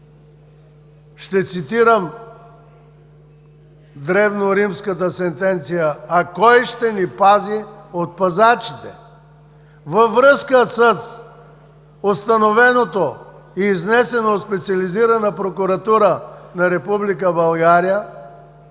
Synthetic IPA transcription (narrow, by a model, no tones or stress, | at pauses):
ʃt̪ɛt̪sit̪iɾəm | d̪ɾɛvnoɾimskət̪əsɛnt̪ɛnt̪sijəːkɔjʃt̪ɛnipaziot̪̚pɐzat͡ʃi̥t̪ɛ | vɐvɾəskəsəs | ost̪ɐnovɛnot̪oiːznɛsɛnot̪spɛt̪siɐliziɾɐnəpɾokuɾɐt̪uɾənɐɾɛpublikəbɐlˠɡaɾijə